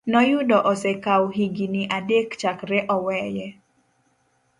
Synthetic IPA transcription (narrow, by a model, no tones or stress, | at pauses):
nɔjʊdɔʔɔsɛkawɦiɡiniʔadekt͡ʃakɾɛʔɔwɛːjɛ